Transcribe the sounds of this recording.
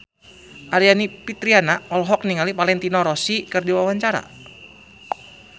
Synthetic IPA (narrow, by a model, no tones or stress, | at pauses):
ʔaɾianipit̪ɾianaɔlɦɔk̚niŋalipalɛnt̪inɔɾɔsikɨrdiwawaɲt͡ʃaɾa̰